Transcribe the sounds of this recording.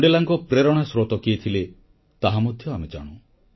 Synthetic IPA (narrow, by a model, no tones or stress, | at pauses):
ɖelaŋkɔpɾeɾɔɽ̃asɾot̪ɔkiet̪ʰile | t̪aɦamɔd̪ʱjɔamed͡ʒa̰ɽ̃u